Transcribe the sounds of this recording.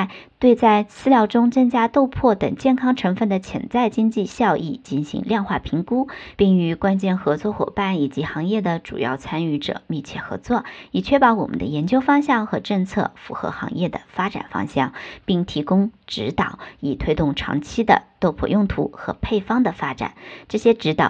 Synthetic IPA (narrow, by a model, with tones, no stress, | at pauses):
t̪we˥˧ɪt͡sa˥˧ɪsɹ̩˥˧ljɑ˥˧ʊʈ͡ʂʊ˥ŋt͡sɤ˥˧ŋt͡ɕja˥t̪o˥˧ʊpʰwɔ˥˩t̪ə̰˨˩ŋt͡ɕjɛ˥˩nkʰɑ˥ŋʈ͡ʂʰɤ˧˥ŋfə˥˩nd̪ə˩t͡ɕʰjɛ̰˧˥nt͡sa˥˩ɪt͡ɕi˥ŋt͡ɕi˥˧ɕjɑ˥˧ʊʔḭ˥˩t͡ɕi˧˥nɕḭ˧˥ŋljɑ˥˧nxwa˥˩pʰi˧˥ŋku˥pi˥˩ŋy˧˥kwa˥nt͡ɕjɛ˥˩nxɤ˧˥t͡swɔ˥˩xwɔ̰˨˩pa˥˩ni˨˩t͡ɕi˧˥xɑ˧˥ŋjɛ˥˩d̪ə˩ʈ͡ʂṵ˨˩jɑ̰˥˩ʊt͡sʰa˥ny˥˩ʈ͡ʂɤ̰˨˩mi˥˧t͡ɕʰjɛ˥˩xɤ̰˧˥t͡swɔ˥˩i˨˩t͡ɕʰɥɛ˥pɑ˧˥ʊwɔ˨˩mə̰˦nd̪ə̰˧jɛ˧˥nt͡ɕjo˥ʊfɑ˥ŋɕjɑ˥˩ŋxɤ˧˥ʈ͡ʂɤ˥˧ŋt͡sʰɤ̰˥˩fṵ˧˥xɤ̰˧˥xɑ̰˧˥ŋjɛ˥˩d̪ə̰˩fa˥ʈ͡ʂa̰˨˩nfɑ̰˥ŋɕjɑ̰˥˩ŋpi˥˩ŋt̪ʰi˧˥kʊ˥ŋʈ͡ʂɻ̩˧˥t̪ɑ˨˩˦ʊi˨˩t̪ʰwe˥ɪt̪ʊ˥˩ŋʈ͡ʂʰɑ̰˧˥ŋt͡ɕʰi˥d̪ə̰˨t̪o˥˧ʊpʰwɔ̰˥˧jʊ˥˩ŋt̪ʰṵ˧˥xɤ̰˧˥pʰe˥˩ɪfɑ˥ŋd̪ə˨fa˥ʈ͡ʂa̰˨˩nʈ͡ʂɤ˥˩ɕjɛ˥ʈ͡ʂɻ̩˧˥t̪ɑ˨˩